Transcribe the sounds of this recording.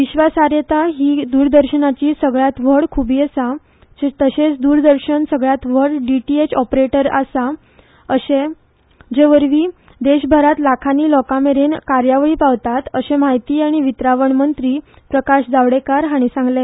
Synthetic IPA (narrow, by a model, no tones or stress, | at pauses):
ʋiɕʋasaɾjet̪aɦiːd̪uːɾd̪əɾɕənat͡ɕiːsəɡɭjat̪ʋəɽkʰubiːəsa | d͡ʑet̪əɕet͡sd̪uːɾd̪əɾɕənsəɡɭjat̪ʋ̤əɽɖiʈiet͡ɕɔpɾeʈəɾasa | əɕẽ | d͡ʑeʋəɾʋiː | d̪eɕbʱəɾat̪lakʰaniːlɔkameɾenkaɾjaʋɭiːpaʋt̪at̪əɕẽmajt̪iːaɽ̃iʋit̪ɾaʋəɳmənt̪ɾiː | pɾəkaɕd͡zaʋɽekaɾɦaɽ̃isãŋɡle